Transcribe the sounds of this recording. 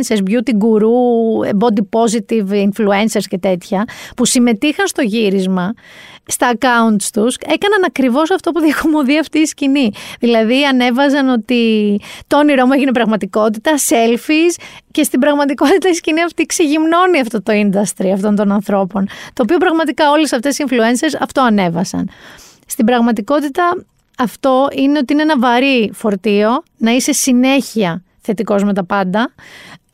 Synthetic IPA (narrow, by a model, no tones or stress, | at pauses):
nseɾzbʝut̪iɡuɾuebo̞d̪ipo̞zit̪ivinflue̞nse̞ɾsce̞t̪e̞t̪çɐpusime̞t̪ixɐnst̪o̞ʝiɾizmɐst̪ɐːkɐunt̪st̪use̞kɐnɐnɐkɾivo̞sɐft̪o̞puðiɐko̞mo̞ðiɐft̪iːsciniðilɐðiɐne̞vɐzɐno̞t̪it̪ooniɾo̞mueʝine̞pɾɐɣmɐt̪iko̞t̪it̪ɐse̞lfisce̞st̪ibɾɐɣmɐt̪iko̞t̪it̪ɐisciniɐft̪ikseʝimno̞niɐft̪o̞t̪o̞ind̪ɐst̪ɾiɐft̪o̞nt̪o̞nɐnθɾo̞po̞nt̪oːpio̞pɾɐɣmɐt̪ikɐo̞le̞sɐft̪e̞siiɱflue̞nse̞ɾsɐft̪o̞ɐne̞vɐsɐ̰n | st̪ibɾɐɣmɐt̪iko̞t̪it̪ɐː | ft̪o̞ine̞o̞t̪iineenɐvɐɾifo̞ɾt̪io̞nɐise̞sine̞çiɐ | θe̞t̪iko̞zme̞t̪ɐpɐnd̪ɐ